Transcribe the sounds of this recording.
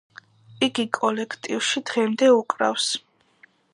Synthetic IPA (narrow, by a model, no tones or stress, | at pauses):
iɡikʼɔlɛkʰt̪ʼiwʃid̪̥ʁɛmd̪ɛukʼɾa̰fs